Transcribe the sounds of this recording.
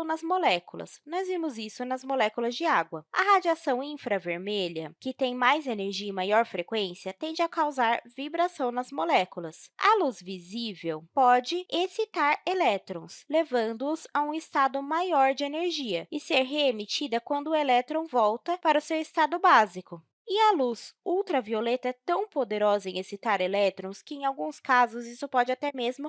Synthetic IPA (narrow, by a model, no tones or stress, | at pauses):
w̃nɐzmolɛkulɐ̰snɔzvimʊzisʊnɐzmolɛkulɐzd͡ʒɪaɡwɐɐ̰ɦad͡ʒiasɐ̃w̃ĩfɾɐveɾmeʎɐkɪt̪ẽj̃majzeneɾʒiɐɪmajɔɾfɾekwẽsiɐt̪ẽnd͡ʒɪɐkawzaɾvibɾasɐ̃w̃nɐzmolɛkulɐsɐ̰luzvizivewpɔd͡ʒɪesit̪aɾelɛt̪ɾõ̰slevɐ̃nd̪ʊʊzɐũist̪ad̪ʊmajɔɾd͡ʒɪeneɾʒiɐɪseɾɦeemit͡ʃid̪ɐkwɐ̃nd̪ʊelɛt̪ɾõw̃vɔwt̪ɐpaɾɐʊsewɪst̪ad̪ʊbazikʊ | ɪɐlusuwt̪ɾɐviolet̪ɐɛt̪ɐ̃w̃pod̪eɾɔzɐẽesit̪aɾelɛt̪ɾõskɪẽj̃awɡũskazʊzisʊpɔd͡ʒɪat̪ɛmezmʊ